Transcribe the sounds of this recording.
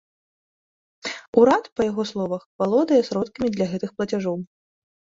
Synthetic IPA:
uɾat̪pɐjaɣɔslˠɔvɐxvalˠɔd̪ɐjɛsɾɔt̪kʲɐmʲid̪lʲɐɣɛt̪ɨxplˠɐt͡sʲaʐɔw

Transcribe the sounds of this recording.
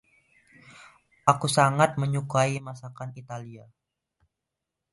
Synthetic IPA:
ʔakusaŋat̪̚məɲukaimasakanit̪alia

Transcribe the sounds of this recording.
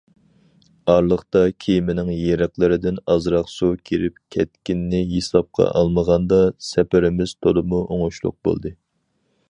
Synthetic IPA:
ɑɾlˠəχt̪ɑkʲʰejimɪnɪŋjeɾɪqlˠɨɾɪd̪ɪnɑzɾɑχsukʲʰiɾɪp̚kʲʰɛt̪̚kʲinːɪjesɑp̚qʰɑ̰ʔɑlˠməʁɑnd̪ɑsɛpɪɾɪmɪz̥t̪ʰolˠɨmuʔoŋuʃlˠʊ̰q̚bo̰lˠd̪ɨ

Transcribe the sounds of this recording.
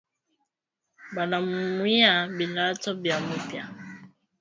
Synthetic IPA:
balamumwiabilatɔbjamupja̰

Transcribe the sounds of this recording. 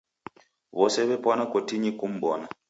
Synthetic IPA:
βɔsɛβɛpɔnakɔtiɲikum̩ɓɔna

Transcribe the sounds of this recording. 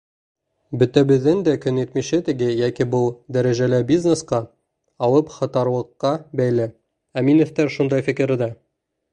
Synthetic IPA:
bɵ̆t̪æbɘ̆ðːɘnd̪ækɵ̆nit̪miɕɘt̪ɘ̆ɡɘjækibulˠd̪æɾæʒælɘbʲiznesqɑ | ɑw̪ˠɤpχɑ̆t̪ɑɾ̆lˠɤ̆qːɑbæjlɘ | æminɵ̆θt̪æɾʃund̪ɑjfikɘ̆ɾɘd̪æ

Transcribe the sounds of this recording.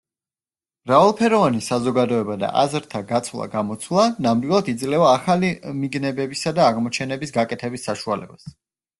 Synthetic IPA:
mɾavalˠpʰɛɾɔvanisazɔɡad̪ɔɛbad̪a̰ʔazɾt̪ʰaɡat̪sʰvlˠa̰ɡamɔt̪sʰwlˠanamd̪wilˠad̪id̪zlɛvaːχalimiɡnɛbɛbisad̪aːʁmɔt͡ʃʰɛnɛbisɡakʼɛt̪ʰɛbisːaʃualɛ̰bas

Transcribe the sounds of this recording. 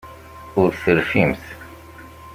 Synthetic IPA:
ʊɾθəɾfimθ

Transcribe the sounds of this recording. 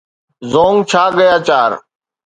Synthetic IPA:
zoːŋɡt͡ʃʰaːɠəjaːt͡ʃaːɾ

